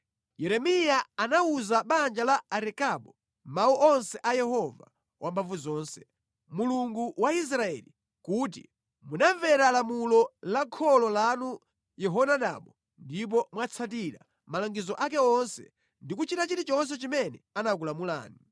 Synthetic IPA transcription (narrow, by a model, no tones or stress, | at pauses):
jɛɾɛmijaanauzaɓand͡ʒalaaɾɛkaɓɔ | mauʔɔnsɛʔajɛɦɔva̰ | wʔambavuzɔːnsɛ̥ | muluŋɡuwais̬ɾaɛli | kuːt̬ḭ | munavɛɾalamulɔlakʰɔlɔlanu | jɛɦɔnaɗa̰ːɓɔ | ndip̬ɔmwat͡sʰat̬iɾa | malaŋɡizɔʔak̬ɛɔnsɛ̰ | ndikut͡ʃitat͡ʃiɾit͡ʃɔns̬ɛt͡ʃimɛnɛ̰anak̬ulamula̰ːni